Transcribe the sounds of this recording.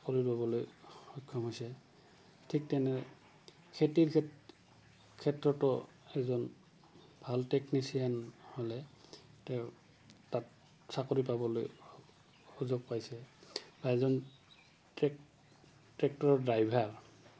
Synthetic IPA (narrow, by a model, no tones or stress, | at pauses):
koɹipabɔlojxɔkʰːɔmɦojsɛ | tʰik̚tɛnɛ | kʰetiɹ | kʰɛtɹɔtɔ | ɛzɔn | bʱalteknisijanholɛtɛʊ | tat | sakoɹipabɔlo̰j | uzoɡ̚pajsɛb̥aɛzɔn | tɹɛk̚tɔɹɔdajbʱaɹ